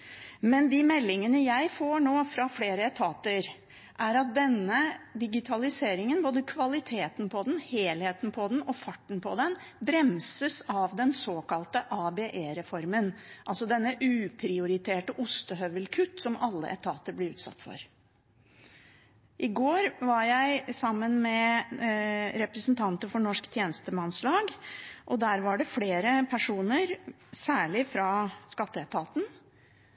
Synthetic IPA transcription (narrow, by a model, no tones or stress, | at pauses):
mɛnd̪ɪmɛlːɪŋənəjæɪfoːɳoːfɾɑfleːɾəɛt̪ʰɑːt̪əɾ | ʔæɾɑt̪̚d̪ɛnːəd̪ɪɡɪt̪ʰɑlɪseːɾɪŋənboːd̪əkʰʋɑlɪt̪ʰeːt̪n̩pʰɔd̪ɛn̩heːlheːt̪npʰɔd̪nɔfɑʈːɳ̩pʰɔd̪ɛn | bɾɛmsəsɑʋd̪ɛnsoːkɑlt̪əʔɑːbeːʔeːɾɛfɔɾmənʔɑlsɔd̪ɛnːəʔʉːpʰɾɪʊɾɪt̪ʰeːʈəʔʊst̪əɦœʋəlkʰʉt̪ːsɔmɑlːə̰ʔɛ̰t̪ʰɑːt̪əɾblɛʉːt̪sɑ̰t̪ːfɔ̰ɾ | ʔɪɡoːɾʋɑɾjæɪsɑmːənmɛ | ɾɛpɾəsnt̪ʰɑnt̪əɾfɔɳɔʂkt̪ʰjeːnəst̪əmɑnslɑːɡʔɔd̪æːɾʋɑɖɛfleːɾəpʰæʂuːnəɾ | sæːɭɪfɾɑskɑt̪ːəɛt̪ʰɑːt̪n̩